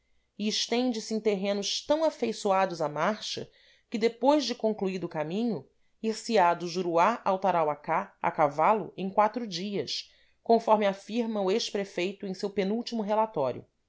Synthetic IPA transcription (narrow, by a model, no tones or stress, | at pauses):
iɪʃt̪ẽnd͡ʒɪsɪẽj̃t̪eɦẽnʊʃt̪ɐ̃w̃afejsuad̪ʊzamaɾʃɐ̰ | kɪd̪epojʒd͡ʒɪkõŋkluid̪ʊkamĩɲʊ | iχsiad̪ʊʒuɾuaawt̪aɾawakaa̰kavalʊ̰ẽj̃kwat̪ɾʊd͡ʒiɐs | kõfɔɾmɪafiɾmɐ̃ʊeʃpɾefejt̪ʊẽj̃sewpenuwt͡ʃimʊɦelat̪ɔɾjʊ̰